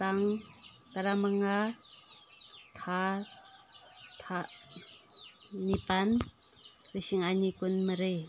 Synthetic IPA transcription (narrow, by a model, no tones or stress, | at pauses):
t̪aŋ | t̪aɾamaŋa | t̪ʰa | t̪ʰa | nipan | ɾisiŋaɲikunməɾe